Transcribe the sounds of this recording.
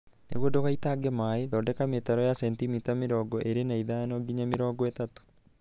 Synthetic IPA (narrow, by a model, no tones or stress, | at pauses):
nḛɣwodoɣaitaɡemaeðɔdɛkametaɾɔjasɛntimitameɾɔːɡɔʔeɾenaiðanɔɡiɲameɾɔːɡɔetato̥